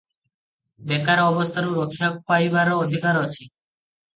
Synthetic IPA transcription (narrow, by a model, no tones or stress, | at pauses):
bɛkaɾɔbɔst̪ʰaɾuɾɔkʰjak̚pajʋaɾɔːd̪ʱikaɾɔt͡ʃʰi